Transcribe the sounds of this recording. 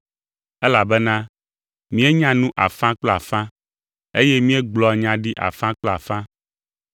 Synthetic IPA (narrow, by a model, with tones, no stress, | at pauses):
ɛ˦la˨bɛ˦nã˦ | mĩ˦e˦ɲã˦nũ˦ʔa̰˨fã˦k͡plo˦a̰˨fã˦ | e˦je˦mĩ˦e˦ɡ͡blɔ˨a˨ɲã˨ɖi˦ʔa̰˨fã˦k͡plɔ˦a̰˨fã˦